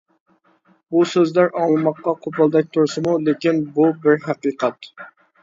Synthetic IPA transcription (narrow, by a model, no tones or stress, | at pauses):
busøzlæɾʔɑŋlˠɨmɑqːɑqʰopɑlˠd̪ɛk̚ʲt̪ʰoɾsɨmulekʲinbubɪɾɦæqiːqʰɛt̪